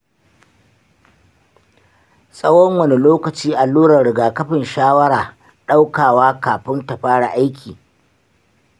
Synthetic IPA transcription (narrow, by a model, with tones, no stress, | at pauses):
sʼɐ˦wɔ˦ŋwɐ˦˨ne˦loː˦kɐ˨t͡ʃiː˦ʔa˨luː˦ɽɐ˨ɽɪ˨ɡaː˨kɐ˦ɸɪ˨nʃaː˦wɐ˦ɽaː˨ | ɗa˦wkaː˨waː˦kaː˨ɸɪ˦nta˨ɸaː˦ɽa̰˨ʔa˦jkʲʰiː˨